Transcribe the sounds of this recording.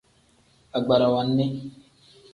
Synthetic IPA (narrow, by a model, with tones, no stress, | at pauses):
a˨ɡ͡ba˨ɾa˨wa˨nːe˦